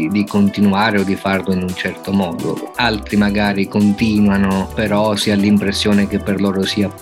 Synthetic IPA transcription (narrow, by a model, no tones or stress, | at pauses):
d̪ikont̪inuaːɾeɔd̪ːifarlʊinunt͡ʃɛrt̪omɔːd̪o̰alt̪ɾimaɡaːɾikont̪iːnwanopeɾɔsiːalimpɾesːjoːnek̟ɪpːerloːɾosiːa